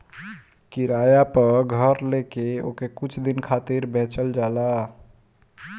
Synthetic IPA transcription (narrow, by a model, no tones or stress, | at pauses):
kiɾajapəɾɡʱəɾlekeo̰kekut͡ʃʰd̪inkʰat̪iɾbʱẽt͡ʃəld͡ʒala